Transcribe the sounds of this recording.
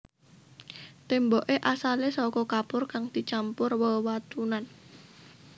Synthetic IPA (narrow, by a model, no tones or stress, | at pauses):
t̪emboʔeʔasalesɔkɔkapʊrkaŋd̪̥i̤t͡ʃampʊrwəwat̪unan